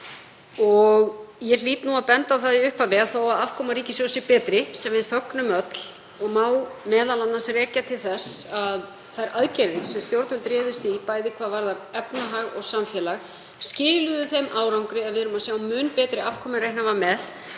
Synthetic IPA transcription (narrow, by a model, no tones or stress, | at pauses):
ɔɣjɛliːt̪nuaðpɛnt̪awθaðiʏhpavɪaðθawaðav̥kʰɔːmaɾiːcɪsjosɪpɛːt̪ɾɪsɛmvɪðfœknʏmœt̪l | ɔɣmaːwmɛːðalanːasrɛːcat̪ʰɪlθɛsað | θajɾʔaðcɛɾðɪsɛmst̪jowɾt̪nʏlt̪ɾɪːðʏst̪ipaːjðɪkʰvaðvaɾðaɾɛpnaɦaɣɔɣsamfjɛːlaɣ | scɪːlʏðʏθejmʔaːwɾawŋkɾɪɛðvɪðɾʏmasjaːwmʏːnpɛːt̪ɾɪav̥kʰɔːmɪɾejhnavaɾmɛð